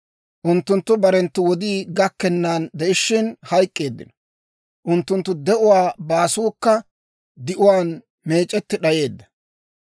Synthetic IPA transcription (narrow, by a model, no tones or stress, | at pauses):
ʔʊnt̪ːʊnt̪ːʊbɐɾɛnt̪ːʊwɔd̪iːɡɐkːɛnːaːnd̪ɛʔɪʃːɪnhɐjkʼːe̞ːd̪ːɪ̰nɔ | ʔʊnt̪ːʊnt̪ːʊd̪ɛʔʊwaːbaːsuːkːɐ | d̪ɪʔʊwaːn | me̞ːt͡ʃʼːɛt̪ːɪɗɐje̞ːd̪ːɐ̥